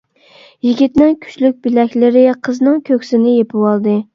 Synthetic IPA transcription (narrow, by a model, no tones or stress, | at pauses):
jiɡʲit̪nɪŋkʲʰy̥t͡ʃlyk̚ʲbɪlɛkʲlɪɾɪqʰəznɨŋkʲʰøkʲsɪnɪjepʰɨwɑlˠd̪ɨ